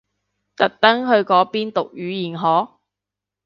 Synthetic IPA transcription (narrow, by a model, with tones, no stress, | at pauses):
t̪ɐ˨k̚t̪ɐ˥ŋɦɵ˧ɥkɔː˨˥piː˥nt̪ʊ˨k̚jyː˨˧jiː˨nɦɔː˨˥